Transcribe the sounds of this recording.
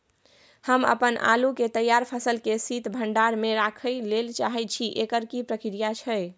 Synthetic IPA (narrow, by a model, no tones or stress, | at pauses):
həmə̰pənʔa̰luket̪əjaɾpʰəsəlkesit̪bʱəɳɖaɾmeɾakʰəjlelt͡ʃaɦɛt͡ʃʰiʔekəɾkipɾəkɾijat͡ʃʰəj